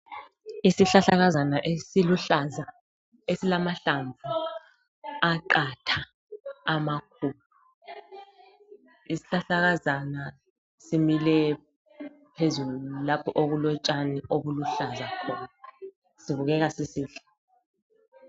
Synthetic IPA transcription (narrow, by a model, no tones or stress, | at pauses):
isiɬaɬaɣazanaʔiluaza | esilamaɬaɱbvʱu | aǃatʰaː | makʰupu | isi̥ɬaɬaɣazana | similɛ | pʰezullulapʰɔʔoɣulɔt͡ʃʼaniʔoβuluɬazakʰɔna | siβuɣɛɣasisiːɬɛ̥